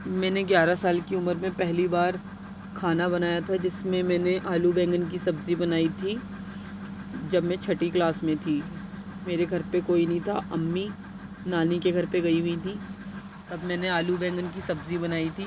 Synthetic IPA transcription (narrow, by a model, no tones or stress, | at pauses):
mɛ̃ːneɡjaːɾasaːlkiʊməɾmẽpɛɦlibaːɾ | kʰaːnabɐnaːjat̪ʰad͡ʒɪsmẽmɛ̃ːneʔaːlubɛ̃ːŋɡənk̬isɐbzibɐnaːit̪ʰi | d͡ʒɐbmẽt͡ʃʰɐʈiklaːsmẽt̪ʰiː | meːɾeɡʱɐɾpekoːinɐɦĩt̪ʰa̰ʔɐmːi | naːnikeɡʱɐɾpeɡɐiɦuit̪ʰiː | t̪ɐbmɛ̃ːneaːlubɛ̃ːŋɡənk̬isɐbzibɐnaːit̪ʰiː